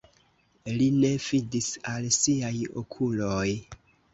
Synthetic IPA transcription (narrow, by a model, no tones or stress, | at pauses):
line̞vidisalsiajo̰kʰuloj